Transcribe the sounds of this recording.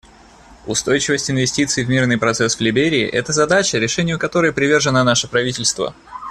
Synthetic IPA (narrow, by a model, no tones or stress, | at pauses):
ʊst̪o̞jt͡ɕɪvəsʲtʲɪnvʲɪsʲtʲit̪sɨɪvmʲirnɨjpɾɐt̪sɛsvlʲɪbʲeɾʲɪ̰ːʔɛt̪əzɐd̪at͡ɕəɾʲɪʂɛnʲɪjʊkɐt̪o̞ɾəjəpɾʲɪvʲerʐɨnənaʂɨpɾɐvʲitʲɪlʲst̪və̰